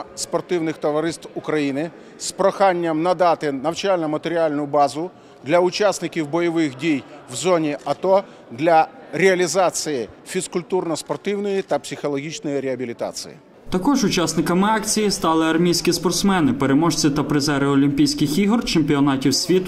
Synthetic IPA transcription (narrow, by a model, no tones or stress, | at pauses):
spɔrt̪ɪwnɪxt̪ɔʋɐɾɪst̪wʊkɾɐjinɪ | spɾɔxɑnʲːɐmnɐd̪ɑt̪ɪnɐwt͡ʃalʲnɐmɐt̪eɾʲialʲnʊjʊbɑzʊ | d̪lʲɐʊt͡ʃasnɪkʲiwbɔjɔʋɪxdʲijwzɔnʲiʔɐt̪ɔ | d̪lʲɐɾʲeɐlʲizɑt͡sʲijifʲiskʊlʲt̪urnɐspɔrt̪ɪwnɔjit̪ɐpsʲɪxɔlˠɔɦʲit͡ʃnɔjiɾʲeɐbʲilʲit̪ɑ̰t͡sʲḭjḭ | t̪ɐkɔʒʊt͡ʃasnɪkɐmɪɑkt͡sʲijist̪ɑlˠɪɐrmʲijsʲkʲispɔrt̪smɛnɪpeɾemɔʃt͡sʲit̪ɐpɾɪzɛɾɪɔlʲimʲpʲijsʲkɪxiɦɔrt͡ʃemʲpʲiɔnɑtʲiwsʲʋʲit̪